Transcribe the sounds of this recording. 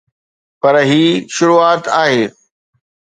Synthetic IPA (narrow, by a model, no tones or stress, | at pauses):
pɐɾɦiːʃʊɾuːaːt̪aːɦeː